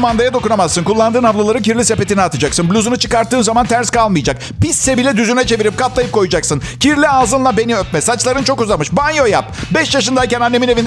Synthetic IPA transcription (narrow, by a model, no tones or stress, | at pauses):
mand̪ajad̪o̞kunamazːɯnkulˠːand̪ɯːnavlˠalˠaɾɯncʰiɾlʲise̞pe̞t̪ʰinɛat̪ʰɯd͡ʒaksɯnblʲuzunut͡ʃʰɯkaɾt̪ːɯːnzamant̪ʰæɾskʰalˠmɯjd͡ʒak | pisːɛbilʲɛd̪yzynɛt͡ʃʰe̞viɾip̚kʰat̪lˠajɯpkʰo̞jud͡ʒaksɯncʰiɾlʲialˠzɯnlˠabe̞niøpmɛsat͡ʃlˠaɾɯnt͡ʃʰo̞kuzamɯʃbanjo̞japbɛʃjaʃɯnd̪aicɛnanːe̞minevʲin